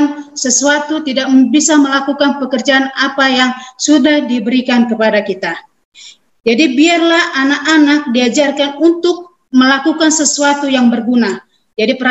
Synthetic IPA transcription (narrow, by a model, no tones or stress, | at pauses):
nsəsuat̪ut̪idak̚bisaməlakukanpəkərd͡ʒaːnapajaŋsudahdibəɾikankəpadakit̪a | d͡ʒadibiarlahanakanak̚diad͡ʒarkanunt̪ʊk̚ | məlakukansəsuat̪ujaŋbərɡuna | d͡ʒadipəɾa